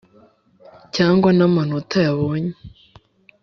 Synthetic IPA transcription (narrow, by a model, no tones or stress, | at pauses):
caːŋɡwanamanotajaβoːɲe